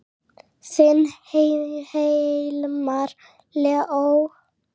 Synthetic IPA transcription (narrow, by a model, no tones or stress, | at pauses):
sɪnhehelmaɾ | lɛʔow